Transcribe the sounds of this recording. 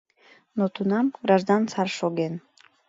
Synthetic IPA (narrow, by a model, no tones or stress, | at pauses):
not̪ʰunɑmɡɾɑʒd̪ɑnsɑɾʃoɡen